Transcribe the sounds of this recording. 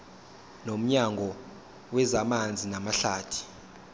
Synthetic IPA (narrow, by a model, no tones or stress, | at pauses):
nom̩ɲaŋɡʱɔ | wɛzamand͡zʱinamaɬaːtʰi̥